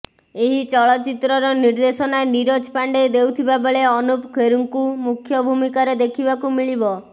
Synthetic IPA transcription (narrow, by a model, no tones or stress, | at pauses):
eɦit͡ʃɔɭɔt͡ʃit̪ɾɔɾɔniɾd̪esɔnaeniɾod͡ʒpaɳɖed̪ewt̪ʰibabeɭeɔnupkʰeɾuŋkumukʰjɔbʱumikaɾed̪ekʰibakumiɭibɔ